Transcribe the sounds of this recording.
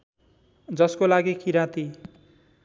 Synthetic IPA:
d͡zʌskolaɡikʰiɾat̪i

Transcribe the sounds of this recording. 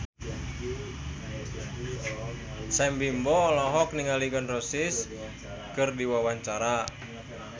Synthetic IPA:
sɛmbimbɔlɔɦɔk̚niŋaliɡɔnrɔsis | kɨrdiwawaɲt͡ʃaɾa

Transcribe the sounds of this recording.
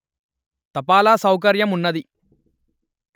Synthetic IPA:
t̪ɐpaːlaːsɐwk̬ɐɾjɐmunːɐd̪i

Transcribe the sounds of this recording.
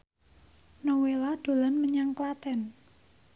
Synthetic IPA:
nowelad̪̥o̤lanməɲaŋklat̪ɛn

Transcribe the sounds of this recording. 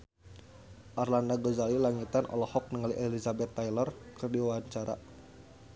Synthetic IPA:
ʔarlandaɡɔzalilaŋit̪anʔɔ̰lɔhɔk̚nəŋaliʔɛlizabɛt̪ːajlɔrkɨrdiwaaɲt͡ʃaɾa̰

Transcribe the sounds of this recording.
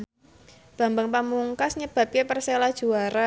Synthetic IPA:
b̥a̤mbaŋpamuŋkasɲəb̥a̤p̚kapərselḁʒ̥uaɾa

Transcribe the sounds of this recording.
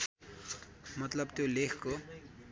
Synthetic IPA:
mʌt̪lʌbt̪jolekʰko

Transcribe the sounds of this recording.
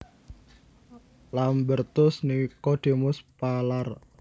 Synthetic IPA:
lambərt̪ʊsnikɔɖ̪̥e̤mʊspalar

